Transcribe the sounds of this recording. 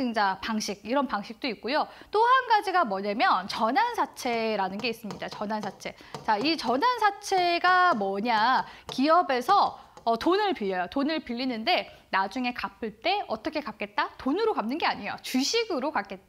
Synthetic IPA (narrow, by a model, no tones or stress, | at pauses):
ɯŋd͡ʑapaŋɕʰiɡ̚iɾʌnpaŋɕʰik̚t͈oik̚k͈ojot͈ohanɡad͡ʑiɡamʌɲamjʌnt͡ɕʌnansʰat͡ɕʰe̞ɾanɯnɡe̞is͈ɯmɲidat͡ɕʌnansʰat͡ɕʰe̞t͡ɕait͡ɕʌnansʰat͡ɕʰe̞ɡamʌɲakiʌbe̞sʰʌːtonɯɭpiʎːʌjotonɯɭpiʎːinɯnde̞nad͡ʑuŋe̞kapʰɯɭt͈e̞ʌt͈ʌkʰe̞kap̚k͈e̞t̚t͈atonɯɾokamnɯnɡe̞aɲijo̰t͡ɕuɕʰiɡɯɾokak͈̚e̞t̚t͈a